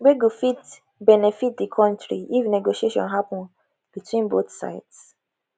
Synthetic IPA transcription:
weɡofit | bɛnɛfit̚dikʰɔ̃ntɹḭifnɛɡoʃieʃɔ̰̃nɦapɔ̃n | b̥itʰwĩnboθsa̰ɪts

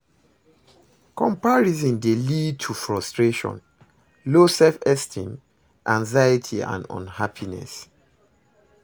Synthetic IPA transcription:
kɔ̃mpaɹizĩndelid̚tʰufɹɔstɹeʃɔ̰̃n | losɛfɛstʰḭ̃n | ʔãŋzajətʰiã̰ndɔ̰̃nhapʰinɛ̰s

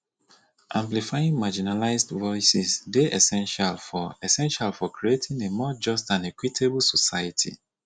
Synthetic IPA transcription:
ʔãmplifajĩŋmad͡ʒinalaɪzdvɔɪsisdeʔɛsɛ̃nʃalfɔɛsɛ̃nʃalfɔkɹietʰĩŋemɔd͡ʒɔstãnɛkwitʰebl̩sɔsajatʰḭ

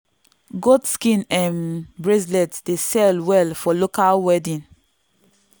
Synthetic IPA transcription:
ɡodskĩnɛ̃nbɹeslɛtd̥esɛlwɛlfɔlokalwɛdĩn

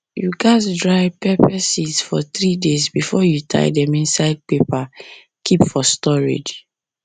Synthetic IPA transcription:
juɡatdɹaɪpɛpɛsisfɔt̪ɹidezbifɔjutʰa̰ɪdɛ̃mĩnsaɪd̚pepa | kʰipfɔstɔɹḭd͡ʒ

